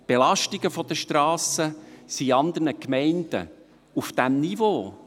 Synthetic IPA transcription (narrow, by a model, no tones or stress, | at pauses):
b̥elɑʃtiɡəfɔd̪̥əʃtɾɑːsəsiɑnd̪ərnəkmɛɪnd̥̪ə̰ | ufd̥æmnivoː